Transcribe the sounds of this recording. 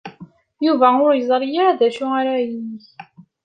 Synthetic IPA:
juvæʊɾjəzˤɾˤijaðæʃʊaɾajinːiç

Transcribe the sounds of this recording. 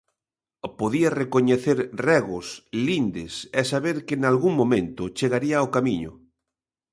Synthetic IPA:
poðiarekoɲeθeɾrɛɣʊslind̪esɛsaβeɾkenalɣuŋmõmẽnt̪ʊt͡ʃeɣaɾiaokamiɲʊ̰

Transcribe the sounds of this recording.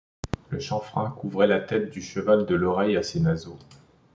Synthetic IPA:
ləʃɑ̃fχɛ̃kuvʁɛlat̪ɛt̪̚d̪yʃəvald̪əlɔʁɛjasenazo

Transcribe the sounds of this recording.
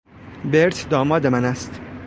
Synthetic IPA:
beɾt̪ʰd̪ɒːmɒːd̪emænæst̪

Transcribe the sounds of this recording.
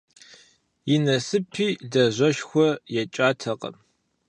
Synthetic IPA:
jɪnɐsɨpʰiːdɐʑʷɐʃxʷɔjɛt͡ʃʼaːtʰɐqɐ̰m

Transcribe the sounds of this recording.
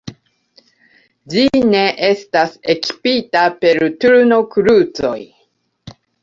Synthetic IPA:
d͡ʒine̞ʔe̞staseki̥pitape̞ɾtuɾno̞kɾut͡so̞̰j

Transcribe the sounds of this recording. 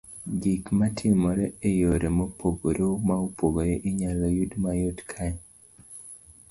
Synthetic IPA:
ɡikmatʰɪmɔɾɛejoɾemopʰoɡoɾomaupoɡoɾeʔiɲalojudmajotkʰaɲ

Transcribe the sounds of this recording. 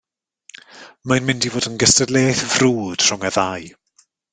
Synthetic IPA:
manmɪndivoːdənɡəstədleːθvruːd̥r̥ʊŋəðaj

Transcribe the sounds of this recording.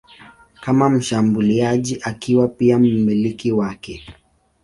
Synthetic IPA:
kamam̩ʃambuliaʄiʔakiwapiam̩milikiwakɛ

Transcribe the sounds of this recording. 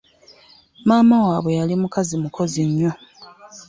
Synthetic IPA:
maːmawaːβwe̞jalimukazimukʰo̞ziɲːo̞

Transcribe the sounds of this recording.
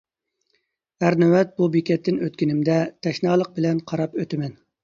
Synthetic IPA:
hæɾnɛwɛt̪̚bubekʲɛt̪ʰːɪnøt̪kʲinɪmd̪ɛt̪ʰɛʃnɑːlˠəq̚bɪlɛnqʰɑɾɑpøt̪ɪmɛn

